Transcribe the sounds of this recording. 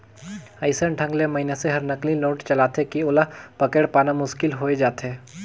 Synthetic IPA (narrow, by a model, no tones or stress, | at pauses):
aɪsənʈʰɐ̃ŋɡlemɐɦineseɦɐɾnɐklinoːʈt͡ʃɐlaːt̪ekiʊləpɐkeɽpaːnamʊʃkɪlɦoːed͡ʒaːt̪eː